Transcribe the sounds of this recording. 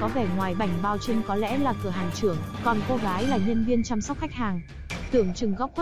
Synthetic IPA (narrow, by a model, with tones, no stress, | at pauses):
kɔ˨˦vɛ˧˩ŋwaː˨˩jɓa˧˩jŋ̟ɓaː˧wt͡ɕi˧ŋkɔ˨˦lɛ̰˧˥laː˨˩kɨ˧˩əɦaː˨˩ŋt͡ɕɨ˧˩əŋkɔ˨˩nko˧ɣaː˨˦jlaː˨˩ɲə˧nvi˧ənt͡ɕa˧msa˦˥k͡p̚xa˦˥jk̚haː˨˩ŋ | t̪ɨ˧˩əŋt͡ɕɨ˨˧˩ŋɣa˦˥wk͡p̚x